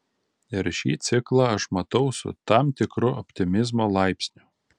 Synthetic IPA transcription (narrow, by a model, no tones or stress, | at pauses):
ɪɾʃʲḭːt̪sʲɪklˠɑɐʃmɐt̪ɒʊsʊ̰t̪ɑmt̪ʲɪkɾʊʔɔpʲt̪ʲɪmʲɪzmoːlˠɑɪpʲsʲnʲʊ